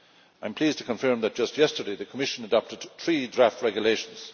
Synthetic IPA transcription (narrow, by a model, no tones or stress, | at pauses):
ãɪ̃mpʰl̥iːztʰəkə̃ɱfɜ˞mðət̚ʒ̥ʌst̚jɛstə˞deɪðəkʰəmɪʃə̃nədɑp̚təd̪̥̚θɹiːdɹaftʰɹɛɡjəleɪʃə̃n̩z̥